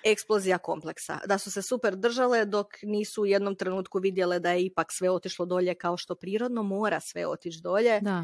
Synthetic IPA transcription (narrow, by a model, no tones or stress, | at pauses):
e̞ksplˠozijako̞̰mple̞ksa̰d̪asuse̞supeɾd̪r̩ʒale̞d̪o̞kniːsuːje̞d̪no̞mt̪ɾe̞nuːt̪kuʋid̪je̞led̪ajeipaksʋe̞o̞t̪iʃlˠod̪o̞ʎe̞kao̞ʃt̪o̞pɾiːɾo̞d̪no̞mo̞ːɾasʋe̞̰o̞̰t̪it͡ʃd̪o̞ːʎe̞d̪a